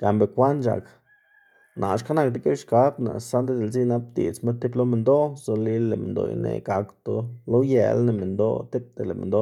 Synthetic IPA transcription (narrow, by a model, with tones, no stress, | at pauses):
ka˨mbe˨kʷa˦nt͡ʃa̰˨k | nʔa˨ʃka˦na˧˨k̚d̪i˦ke˦ʃka˨˦bna̰˨sa˦nd̪e˦d̪e˨lzi˦na˦p̚d̪ḭ˨t͡sme˦t̪i˦blo˦me˨nd̪o˦zo˨nli˦lːe˨mḛ˨nd̪o̰˧˨j̰nḛ˨ɡa˨kt̪o˨lo˦jḛ˧˨lne˧˨me˨nd̪o˦t̪i˦p̚d̪e˨le˨mḛ˨nd̪o˦